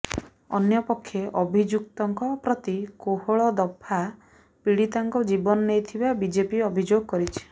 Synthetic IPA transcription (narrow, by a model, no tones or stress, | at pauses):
ɔ̰njɔpɔkʰːjeʔɔbʱid͡ʒuk̚t̪ɔŋkɔpɾɔt̪ikoɦoɭɔd̪ɔpʰa | piɽit̪aŋkɔd͡ʒibɔnɔnejt̪ʰibabid͡ʒepiɔbʱid͡ʒoɡɔkɔɾit͡ʃʰi̥